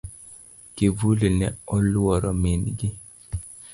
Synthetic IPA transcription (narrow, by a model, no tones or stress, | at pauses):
kivulenɛɔlʊɔɾɔminɡɪ